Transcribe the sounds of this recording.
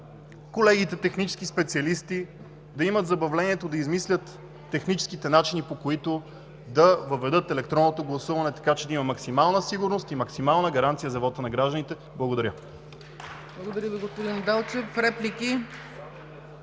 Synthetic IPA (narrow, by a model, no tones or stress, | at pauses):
kolɛɡit̪ɛt̪ɛxnit͡ʃɛ̥sk̟ispɛt̪siɐlist̪i | d̪ɐimət̪zɐbɐvlɛniɛt̪od̪ɐizmislʲət̪ː | ɛxnit͡ʃɛ̥skit̪ɛnat͡ʃinipokoit̪o | d̪ɐvɐvɛd̪ɤt̪ɛlɛkt̪ɾɔnːot̪oɡlˠɐsuvɐnɛt̪ɐ̥kat͡ʃɛd̪ɐimɐmɐksimalˠnəsiɡʊɾnost̪imɐksimalˠnəɡɐɾant̪sijəzɐvɔt̪ənɐɡɾaʒd̪ənit̪ɛ | blˠɐɡod̪ɐɾʲə | blˠɐɡod̪ɐɾʲəviɡospod̪ind̪alˠt͡ʃɛfɾɛpliki